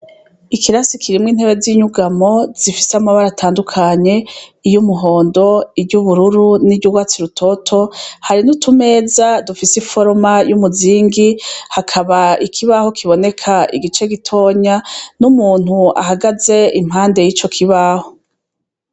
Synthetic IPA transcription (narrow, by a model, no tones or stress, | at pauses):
ikʰiɾasikʰiɾimŋiːnhe̞βeziːɲuɡamo̞z̥ifi̥samaβaɾatʰaːndukʰaɲe̞ijumuɦo̞ːndo̞ibɟuβuɾuɾuniɟuɡwaːt͡siɾutʰo̞tʰo̞haɾinutʰume̞ːzadufisefo̞ɾmajumuziːŋɡihakʰaβaikʰiβaho̞kʰiβo̞ne̞kʰaḭɡit͡ʃe̞ɡitʰo̞ːɲanumuːn̥hua̰ɦaɡaze̞im̥haːnde̞jit͡ʃo̞kʰiβaːho̞